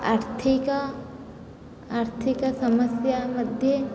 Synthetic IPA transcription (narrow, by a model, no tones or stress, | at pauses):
aːɾt̪ʰikɐ | aːɾt̪ʰikɐsɐmɐsjamɐd̪ʱje